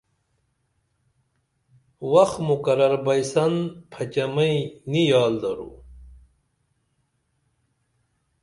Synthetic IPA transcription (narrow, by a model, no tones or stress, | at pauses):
wɐxmukɐɾɐɾbɐjsɐnpʰɐt͡ɕɐmɐinijaːld̪ɐɾṵ